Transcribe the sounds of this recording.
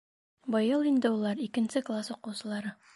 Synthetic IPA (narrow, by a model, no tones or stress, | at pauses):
bɤ̆jɤlˠind̪ɘulˠɑɾikɘ̆nsɘklˠasuqɤ̆wsɤ̆lˠɑɾɤ